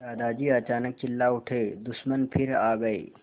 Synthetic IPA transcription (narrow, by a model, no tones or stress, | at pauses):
d̪aːd̪aːd͡ʒiːɐt͡ʃaːnək̚t͡ʃɪlːaʊʈʰeːd̪ʊʃmənpʰɪɾaːɡɐḛː